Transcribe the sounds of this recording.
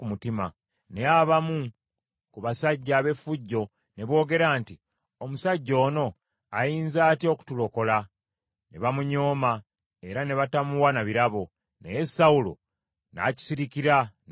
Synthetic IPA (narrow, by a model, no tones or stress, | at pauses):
kumutima̰ | ne̞jaβamu | kuβasaɟːaːβe̞fuɟːo̞ | ne̞βwo̞ːɡe̞ɾaːnti | omusaɟːo̞ːno̞ | ajiːnzaːtjo̞ku̥tulo̞ko̞la | ne̞̰βamuɲo̞ːma | e̞ɾane̞βatamuwanaβiɾaβo̞ | nḛje̞saulo̰ | na̰ːci̥siɾikiɾan